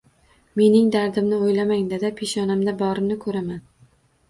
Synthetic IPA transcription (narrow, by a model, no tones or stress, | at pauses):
me̞nɪŋd̪aɾd̪ɪmnɪojlamaŋd̪ad̪apʰeʃɒnamd̪abɒɾɪmnɪkʰɵɾaman